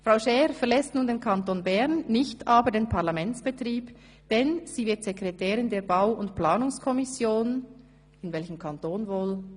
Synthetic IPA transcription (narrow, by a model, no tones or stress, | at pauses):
fʁ̥aʊʃɛːʁfɛɐlɛstnuːndeːnkʰɑntoːnbɛʁnːɪçtʰaːbədeːnpʰaʁlamɛnt͡sb̥ɛtʁiːb | d̥ɛnz̥iːvɪtz̥ɛkʁɛtʰɛːɾɪndeːɐbaʊʊntplaːnʊŋskʰɔmɪsjoːn | ɪnvɛlçəmkʰɑntoːnvoːl